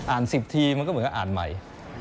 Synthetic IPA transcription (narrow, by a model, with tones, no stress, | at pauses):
ʔaː˨˩nsi˨˩p̚t̪ʰiː˧ma˧kɔː˥˩˨kːɔ˧˥ʔaː˨˩nma̰˨˩j